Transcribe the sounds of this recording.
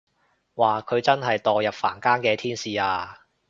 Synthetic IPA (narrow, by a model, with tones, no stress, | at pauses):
waː˨˩kʰɵ˨˧ɥt͡sɐ˥nɦɐ˨jt̪ɔː˨jɐ˨p̚fa̰ː˨˩nkaː˥nkɛː˧t̪ʰiː˥nsiː˨aː˧